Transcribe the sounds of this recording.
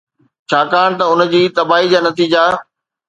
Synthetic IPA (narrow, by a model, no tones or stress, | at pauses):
t͡ɕʰaːkaːɽ̃̆t̪ɐʊn̆d͡ʑiːt̪ɐbaːɦid͡ʑaːnɐt̪iːd͡ʑa